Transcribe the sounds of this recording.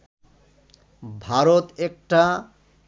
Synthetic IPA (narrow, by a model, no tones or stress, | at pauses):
bʱaɾot̪ek̚ʈa